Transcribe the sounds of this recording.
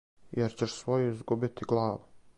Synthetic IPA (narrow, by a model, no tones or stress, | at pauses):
jeɾt͡ɕeʃsʋojuizɡubit̪iɡlˠaːʋu